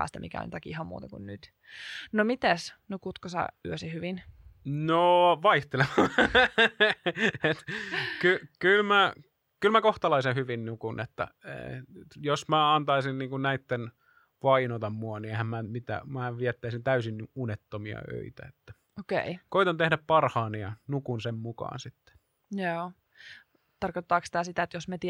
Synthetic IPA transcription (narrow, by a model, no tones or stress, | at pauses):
æ̰ːst̪æmḭkæ̰o̰nʲt̪ɑkiihɑmmṵːt̪ɑkṵnnyt̪ | nomit̪æsnukut̪kosɑ̰yøsihyʋinnoʋɑiht̪elemɑ | et̪kykylmæ | kylmækoht̪ɑlɑisehyʋinnukunḛt̪ːæ̰ḛjosmæɑnt̪ɑisinniːŋkunnæit̪ːen | ʋɑinot̪ɑmmuɑniehæmmæmit̪æ̰mæːʋiɛt̪ːæisint̪æysinunet̪ːomiɑ̰ø̰it̪æ̰et̪ːæ̥ | okḛikoit̪ɑnt̪ehdæppɑrhɑːniɑnukunsemmukɑ̰ːnsit̪ːe̥ | joː | t̪ɑrkot̪ːɑːksi̥t̪æsit̪æet̪josmet̪i